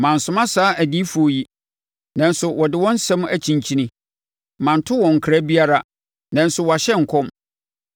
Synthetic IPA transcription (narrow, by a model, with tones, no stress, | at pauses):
mã˨n̩˨sʊ̃˦mã˦saː˦ʔæ˨di˦fu˨o˨ji˦ | nã˨n˦sʊ˨wɔ˨dɪ˦wɔ̃˦n̩˦sɛ̃˦m˦æ˨t͡ɕʰĩ˨ɲ˨t͡ɕʰĩ˦nɪ̃˦ | mã˨n̩˨tʰʊ˦wɔ̃˨ŋ̩˨kʰɾa˦bi˦a˦ɾa˨ | nã˨n̩˦sʊ˨wɔ˨a˨ɕɛ˦ŋ̩˨kʰɔ̃˦m